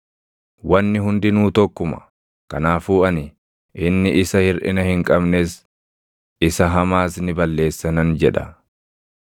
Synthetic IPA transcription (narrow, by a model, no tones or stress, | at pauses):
wɐnːɪɦʊnd̪ɪnuːt̪ɔkːʊmɐ̥̰ | kɐnaːfuːɐnɪ | ʔɪnːɪʔɪsɐhɪɾʔɪ̰nɐhɪŋkʼɐbneːs | ɪsɐɦɐmaːsnɪbɐlːe̞ːsːɐnɐnd͡ʒɛᶑɐ